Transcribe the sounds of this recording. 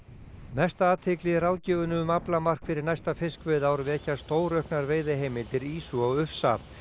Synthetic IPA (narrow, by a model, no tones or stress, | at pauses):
mɛst̪aaːt̪ʰɪklɪraːwcɛːɣʏnʏʏmaplamar̥kfɪɾɪɾnajst̪afɪskvœːðaːwɾvɛːcast̪oːwɾœhknaɾveːjðɪɦejmɪlt̪ɪɾiːsuaɣʏfsa̰